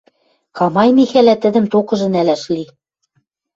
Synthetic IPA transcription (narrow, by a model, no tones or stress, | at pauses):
kɑmɑjmixælæt̪ɘ̆d̪ɘ̆mt̪okɤ̆ʒɤ̆nælæʃli